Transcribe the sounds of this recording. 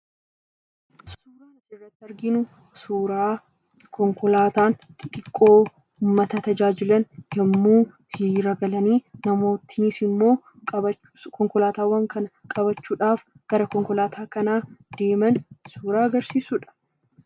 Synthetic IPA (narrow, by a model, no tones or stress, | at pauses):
suːɾaːnɪt͡ʃːrːɐt̪ːɪɐɾɡɪnʊ | suːɾaː | kɔŋkɔlaːt̪aːnkʼɪk̪ʼɪkʼːo̞ː | ʊmːɐt̪ɐt̪ɐd͡ʒaːd͡ʒɪlɐnd͡ʒɐmːuː | hɪɾɐɡɐlɐniːnɐmo̞ːt̪ɪnisɪmːo̞ː | kɐbɐ | kɔŋkɔlaːt̪aːwɐŋkɐnɐkʼɐbɐt͡ʃːuːᶑaːf | ɡ̥ɐɾɐkɔŋkɔlaːt̪ʰaːkɐnaːd̪̥e̞ːmɐnsuːɾaːɐɡɐɾsiːsʊᶑɐ̥